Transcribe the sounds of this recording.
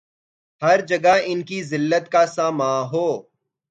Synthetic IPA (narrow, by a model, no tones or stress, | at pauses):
hɐɾd͡ʒɐɡaɦɪnkizɪlːət̪kasãːmãːɦoː